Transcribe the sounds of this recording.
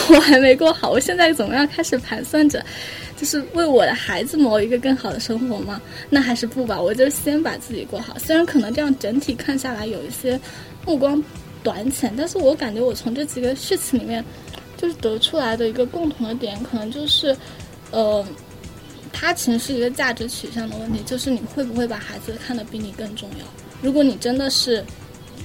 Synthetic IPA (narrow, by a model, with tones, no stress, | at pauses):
wɔ˨˩xa˧˥ɪme˧˥ɪkwɔ˥˧xɑ˨˩ʊwɔ˨˩ɕjɛ˥˧nt͡sa˥˩ɪt͡sə˨˩m˧˥jɑ˥˧ŋkʰa˥ɪʂɻ̩˨˩pʰa˧˥nswa˥˩nʈ͡ʂɤ̰˩ | t͡ɕjo˥˧ʊʂɻ̩˥˧we˥˩ɪwɔ˨˩d̪ə˦xa˧˥ɪd͡zɹ̩˥˧mɔ˧˥ʊi˧˥ɡə˧kɤ˥˩ŋxɑ˨˩ʊd̪ə˦ʂɤ˥ŋxwɔ˧˥mɐ˧na˥˩xa˧˥ɪʂɻ̩˥˧pu˥˩bɐ˨˩wɔ˨˩t͡ɕjo˥ʊʂ̩˥˩ɕjɛ˥npa˨˩t͡sɹ̩˥˩t͡ɕḭ˨˩kwɔ˥˩xɑ˨˩ʊswɻa˧˥nkʰɤ˨˩nɤ˧˥ŋʈ͡ʂɤ˥˧jɑ˥˩ŋʈ͡ʂə˧˥nt̪ʰi˨˩kʰa˥˧nɕja˥˩la˧˥ɪjo˨˩ʊi˥˩ɕjɛ˥ | mu˥˩kwɑ˥ŋ | t̪wa˧˥nt͡ɕʰjɛ˧˥nt̪a˥˧nʂɻ̩˥˩wɔ˧˥ka˨˩nt͡ɕɥɛ˧˥wɔ˨˩t͡sʰʊ˧˥ŋʈ͡ʂɤ˥˩t͡ɕi˨˩ɡə˦ɕy˥˩t͡ɕʰi˧˥li˨˩mjɛ˥˧n | t͡ɕjo˥˧ʊʂɻ̩˥˩t̪ɤ˧˥ʈ͡ʂʰu˥la˧˥ɪd̪ə˧i˧˥ɡə˧kʊ˥˩ŋt̪ʰʊ˧˥ŋd̪ə˧t̪̬jɛ˧˩˥nkʰɤ˨˩nɤ˧˥ŋt͡ɕjo˥˧ʊʂɻ̩˥˩ | ə˧˩ | t̪ʰa˥t͡ɕʰi˧˥ŋʂɻ̩˥˩i˧˥ɡə˧t͡ɕja˥˩ʈ͡ʂɻ̩˧˥t͡ɕʰy˨˩ɕjɑ˥˩ŋd̪ə˩wə˥˩nt̪ʰi˧˥t͡ɕjo˥˧ʊʂɻ̩˥˩ni˨˩xwe˥˩ɪpu˧˥xwe˥˩ɪpa˨˩xa˧˥ɪd͡zɹ̩˧kʰa˥˩nd̪ə˨˩ʊpi˥ŋnli˧˨˩kɤ˥˧ŋʈ͡ʂʊ˥˧ŋjɑ̰˥˩ʊ | ɻu˧˥kwɔ˧˥ni˨˩ʈ͡ʂə˥nd̪ə˨ʂɻ̩˥˩